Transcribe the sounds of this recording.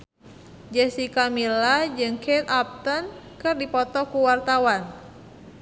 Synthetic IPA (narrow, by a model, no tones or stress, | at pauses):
d͡ʒɛsikamilad͡ʒɨŋkʰɛt̪ap̚t̪ən | kɨrdipɔt̪ɔkuwart̪awan